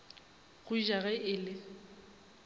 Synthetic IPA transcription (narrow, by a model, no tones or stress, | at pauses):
ɣʊiʒaɣɛʔɪːlɪ